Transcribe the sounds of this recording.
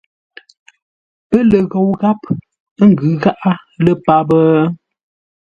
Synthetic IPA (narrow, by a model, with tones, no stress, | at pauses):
pə˦lə˨ɣo˨wɣa˦p | ŋ̩˨ɡʉ˨˦ɣa˦ʔa˦lə˦pa˦bə˦